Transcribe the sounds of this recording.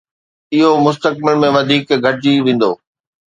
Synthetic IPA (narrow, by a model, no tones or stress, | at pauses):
ɪɦomʊst̪ək̚bɪlmẽʋɐd̪ʱiːkɡʱɐʈɪd͡ʑiʋẽːn̆d̪o̰ː